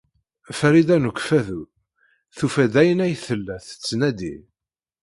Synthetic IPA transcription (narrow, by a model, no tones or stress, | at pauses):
fɾid̪ænukʷːfæðu | θufæd̪æjənæjθəlːæθə̥t͡sːnæd̪ḭ